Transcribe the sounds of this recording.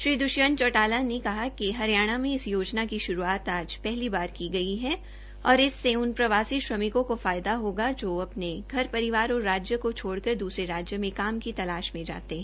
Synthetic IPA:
ʃɾiːd̪ʊʃjənt͡ʃɔːʈaːlanekɐɦakiɦɐɾjaːɽ̃amẽɪsjoːd͡ʒnakiʃʊɾuaːt̪aːd͡ʒpɛɦlibaːɾkiɡɐiɦɛ | ɔːɾɪsːeʊnpɾɐʋaːsiʃɾɐmɪkõkofaːjd̪aɦoːɡad͡ʒoːɐpneɡʱɐɾpɐɾɪʋaːɾɔɾaːd͡ʒjəkot͡ʃʰoːɽkɐɾd̪uːsɾeɾaːd͡ʒjəmẽkaːmkit̪ɐlaːʃmẽd͡ʒa̰ːt̪eɦɛ̃

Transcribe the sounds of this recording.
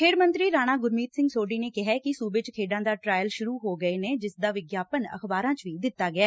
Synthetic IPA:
kʰeːɾmənt̪ɾiːɾaːɽ̃aːɡʊɾmiːt̪sɪ̃ŋɡsoːɖiːneːkɪɦɛːkɪsuːbet͡ʃkʰeːɖãːd̪aːʈɾaːjəlʃʊɾuːɦoːɡəeːneːd͡ʒɪsd̪aːʋɪɡjaːpənə̰kʰbaːɾãːt͡ʃʋiːd̪ɪt̪ːaːɡɪaː

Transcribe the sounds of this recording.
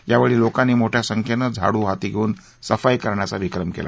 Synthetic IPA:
jaʋeɭiːlokanːiːmoʈʰjasəŋkʰjenəd͡zʱa̰ɽuːɦat̪iːɡʱeuːn | səfajkəɾɳjat͡saʋikɾəmkḛlʔa̰

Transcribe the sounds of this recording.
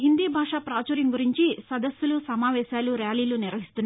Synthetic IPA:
ɦind̪iːbʱaːʂaːpɾaːt͡ʃɐːɾjɐŋɡuɾiɲt͡ʃisɐd̪ɐsjulusɐmaːʋɛːʃaːluɾjaːliːluniɾʋɐɦist̪unːa

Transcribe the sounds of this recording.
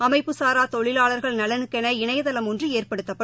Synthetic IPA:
ɐmɐɪpːɯsaːɾaːt̪ɔɭɪlaːɭɐɾɣɐɭnɐlɐnɯkːɛnɐɪɳɐjɐðɐlɐmɔndrɯeːrpɐɽɯt̪ːɐpːɐ

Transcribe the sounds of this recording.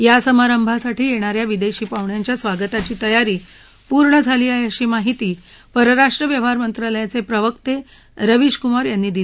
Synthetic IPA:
jasəmaɾəmbʱasaʈiːjeɽ̃aɾjaʋid̪eɕiːpaʋɳjaɲt͡ɕjasʋaɡət̪at͡ɕiːt̪əjaɾiː | puɾɳəd͡zʱaliːajəɕiːmaɦit̪iː | pəɾəɾaʂʈɾəʋjəʋ̤aɾmənt̪ɾaləjat͡sepɾəʋəkt̪e | ɾəʋiɕkumaɾjanːiːd̪il

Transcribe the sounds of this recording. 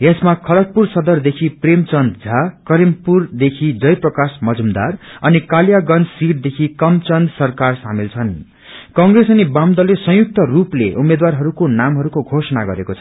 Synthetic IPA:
esmakʰʌlʌt̪̚pursʌd̪ʌrd̪ekʰipremt͡sʌnd̪d͡zʱakʌɾimpurd̪ekʰid͡zʌjprʌkasmʌd͡zumd̪a̰rʌnikaljaɡʌnsiʈd̪ekʰikʌmt͡sʌnd̪sʌrkarsamilt͡sʰʌn | kʌŋɡresʌnibamd̪ʌlesʌ̃juk̚t̪ʌruplḛʔumed̪warɦʌɾukonamɦʌɾukoɡʱosʌnaɡʌ̰ɾekot͡sʰʌ

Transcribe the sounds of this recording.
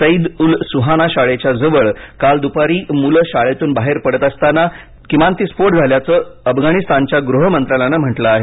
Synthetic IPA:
səid̪ulsuɦanaɕaɭet͡ɕjad͡zəʋəɭkald̪upaɾiːmulɕaɭet̪uːnbaɦeɾpəɽət̪əst̪ana | kimant̪iːspoɾʈd͡zʱaljat͡səəfɡʱaɽ̃ist̪ant͡ɕjaɡɾuɦəmənt̪ɾalanəm̤əʈlaːɦe

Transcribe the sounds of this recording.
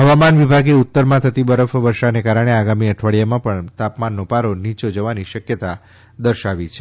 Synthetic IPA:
ɦəʋamanʋibʱaɡeut̪ːəɾmãt̪ʰət̪ibəɾəfʋəɾʃanekaɾəɽ̃eaɡamiəʈʰʋaɭijamãpəɳt̪apmanːopaɾonit͡ʃod͡ʒəʋaniʃəkjət̪a | d̪əɾʃaʋit͡ʃʰe̥

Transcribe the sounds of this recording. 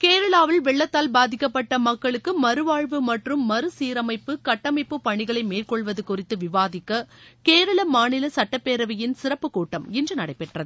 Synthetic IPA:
keːɾɐɭaːʋɐlʋɛɭːɐt̪ːaːlbaːðɪkːɐpːɐʈːɐmɐkːɐɭɯkːɯmɐɾɯʋaːɻʋɯmɐʈrɯmːɐɾɯsiːɾɐmɐɪpːɯkɐʈːɐmɐɪpːɯpːɐɳɪɣɐɭɐɪmeːlkɔɭʋɐðɯkʊrɪt̪ːɯʋɪʋaːðɪkːɐkeːɾɐɭɐmaːnɪlɐsɐʈːɐpːeːɾɐʋɐjɪnsɪrɐpːɯkuːʈːɐmɛndrɯnɐɽɐɪpːɛʈrɐðɯ

